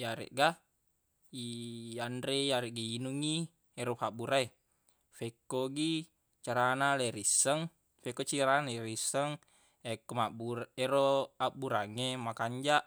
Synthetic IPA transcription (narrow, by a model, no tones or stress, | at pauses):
jaɾɛ̰ʔɡa | iandɾejaɾɛʔɡiinuŋi | ɛɾofabuɾae | fɛkːoɡi | t͡ʃaɾanaleɾisəŋ | fɛkot͡ʃiɾanaɛɾisəŋ | ɛkɔmabuɾɛɾoabuɾaŋemakaɲd͡ʒaʔ